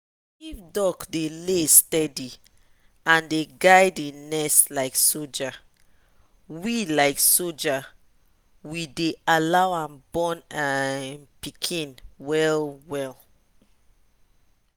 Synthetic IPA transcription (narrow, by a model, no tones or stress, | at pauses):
ifdɔkdelestɛdi | ãndeɡaɪdenɛstlaɪksod͡ʒa | wilaɪksod͡ʒa | widealawãnbɔ̃napikʰĩnwɛlwɛl